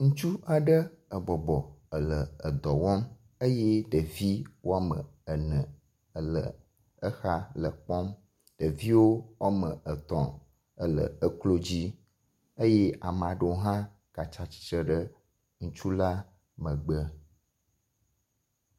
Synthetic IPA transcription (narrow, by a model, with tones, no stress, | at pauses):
ŋũ˦t͡ʃu˦a˨ɖə˦ə˨bɔ˨bɔ˨ə˨lə˨ə˨d̪ɔ˨wɔ˦m | ə˦jɛ˦ɖə˨vi˦wo˦a˦mə̃˨ə˨nə̃˨ | ə˨lə̰˨ | ə˦xa˦lə˨k͡pɔ˦m | ɖ̥ə˨vi˦wo˦wʔa˦mə˨ʔə˨t̪ɔ̃˨ | ə˦lə̰˨ə˦klo˦d͡ʑi˦ | ə˦jɛ˦a˨m˨a˨ɖə˦wo˦ɦã˦ | ka˨t͡ʃa˨t͡ɕi̥˦t͡ʃɾə˦ɖə˦ | ŋũ˦t͡ʃu˦la˦ | mə̃˨ɡ͡bə˦